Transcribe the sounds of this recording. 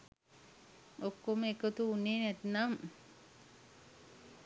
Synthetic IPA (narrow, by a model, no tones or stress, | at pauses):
okːomekot̪uunːeːnɛt̪nam